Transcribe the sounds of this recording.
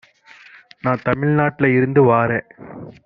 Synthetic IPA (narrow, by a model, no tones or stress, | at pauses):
nãːt̪ɐmɪɻnaːʈːɪlɐɪɾɯnd̪ɯʋaːɾeː